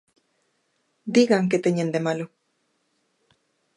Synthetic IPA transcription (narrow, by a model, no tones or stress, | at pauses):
d̪iɣaŋket̪eɲẽnd̪emalo